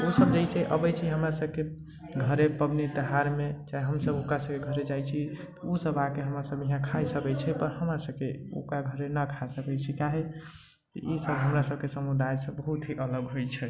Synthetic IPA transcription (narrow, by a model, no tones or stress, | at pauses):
osəbd͡ʒajt͡ʃʰɛʔə̰bət͡ʃʰiɦəmɾasəb̚ke | ɡʱəɾepəbnit̪əɦaɾmet͡ʃaɦeɦəmsəbokɾasəbkeɡʱəɾed͡ʒajt͡ʃʰit̪ɔusəbakeɦəmɾasəbiɦãkʰajsəkɛt͡ʃʰɛpəɾɦəmɾasəb̚keo̰kaɡʱəɾenəkʰasəkɛt͡ʃʰikaɦe | t̪ɔʔisəbɦəmɾasəb̚kesəmud̪ajsə̃bəɦut̪ɦiʔələɡɦojt͡ʃʰɛ